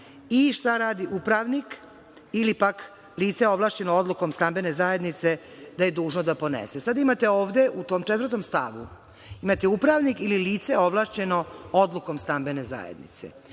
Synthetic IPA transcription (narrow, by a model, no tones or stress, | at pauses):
iʃt̪aɾaːd̪iʔupɾaʋnik | ilipak | liːt̪seo̞ʋlˠaːʃt͡ɕe̞nood̪luko̞mst̪ambe̞ne̞zaje̞d̪nit̪se̞ | d̪aje̞d̪uːʒnod̪apo̞nḛsesad̪imat̪e̞o̞ːʋd̪e̞ʔut̪o̞ːmt͡ʃet̪vɾrt̪o̞mst̪a̰ʋu | imat̪eupɾaʋnikililiːt̪seoʋlˠaːʃt͡ɕe̞no̞o̞d̪luko̞mst̪ambe̞ne̞za̰jḛd̪nḭt̪se̞̰